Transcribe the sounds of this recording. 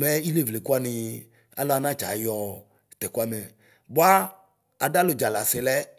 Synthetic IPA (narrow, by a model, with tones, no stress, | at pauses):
mɛ˦i˦le˦˨vle˨ku˦a˦nĩ˨˧ | a̰˦lɔ˦a˦nã˦t͡ʃa̰˨jɔ˨ | t̪ɛ˨ku˦a˦˨mɛ˨ | bo˦a˦ | a˨da˦lo˨d͡ʒa˨la˨se˨lɛ˦